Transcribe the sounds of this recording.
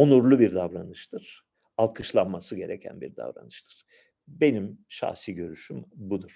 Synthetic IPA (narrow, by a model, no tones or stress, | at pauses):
onuɾlˠubiɾd̪avɾanɯʃt̪ʰɯɾ̥ | alˠkʰɯʃlˠanmasɯɟe̞ɾecʰæ̰nbḭɾd̪a̰vɾa̰nɯʃt̪ʰɯ̥ɾ̥ | be̞nimʃa̰hsiɟø̞ɾyʃymbud̪uɾ̥